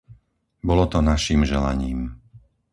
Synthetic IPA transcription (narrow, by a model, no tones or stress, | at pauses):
bɔlɔt̪ɔnaʃiːmʒɛla̰ɲiːm